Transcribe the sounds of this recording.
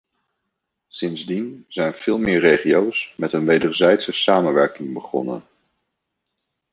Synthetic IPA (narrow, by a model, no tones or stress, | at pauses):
sɪnzdinzɛjnv̥ɪːlˠmɪːɹrejχiowsmɛtənʋejdəɹzɛjtsəsaːmənʋɛɹkɪŋbəχɔ̰nə̰n